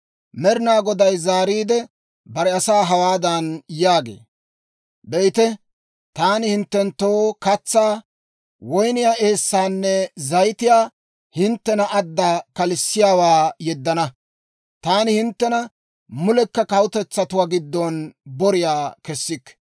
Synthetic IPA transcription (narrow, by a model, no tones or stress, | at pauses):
mɛɾɪnaːɡɔd̪ɐjzaːɾiːd̪ɛ | bɐɾɛɐsaːɦɐwaːd̪ɐnjaːɡḛː | bɛjt̪ɛ | t̪aːnɪhɪnt̪ːɛnt̪ːoːkɐt͡sːaː | wɔjnɪjaʔeːsːaːnːɛzɐjt̪ɪjaː | hɪnt̪ːɛnɐʔɐd̪ːakɐlɪsːɪjaːwaːjɛd̪ːɐnɐ | t̪aːnɪhɪnt̪ːɛnɐ | mʊlɛkːɐkɐwʊt̪ɛt͡sːɐt̪ʊwaːɡɪd̪ːɔnbɔɾɪjaːkɛsːɪkː